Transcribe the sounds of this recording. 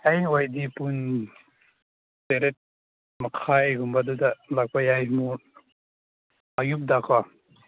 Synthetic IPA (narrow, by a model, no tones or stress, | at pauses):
ajojdipun | seɾet̚ | makʰajɡumbadudalak̚pajajmu | ajup̚dakʰa